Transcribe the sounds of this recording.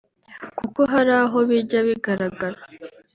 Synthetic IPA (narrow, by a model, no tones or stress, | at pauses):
kuko̞ɦaɾaːɦo̞βiɟaβiɡaɾaɡaɾa